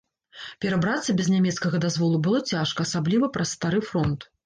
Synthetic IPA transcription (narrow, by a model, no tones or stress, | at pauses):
pʲɛɾabɾat̪sɐbʲɛznʲamʲɛt̪skɐɣɐd̪azvɔlˠubɨlˠɔt͡sʲaʂkɐːsablʲivɐpɾɐsːt̪aɾɨfɾɔnt̪